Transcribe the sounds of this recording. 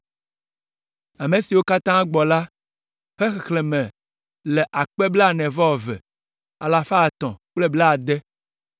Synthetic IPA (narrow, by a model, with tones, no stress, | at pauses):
a˨me˨si˨wo˦ka˦t̪ã˦ɡ͡bɔ˨la˦ | ɸɛ˦xɛ˨xle˨mɛ̃˨ | lɛ˨ʔa˨k͡pɛ˦blɛ˦a˦˨nɛ̃˨vɔ˦ɔ˨vɛ̰˨ | a˨la˨fa˦˨t̪ɔ̰̃˨k͡plɛ˦blɛ˦a˨d̪ɛ˦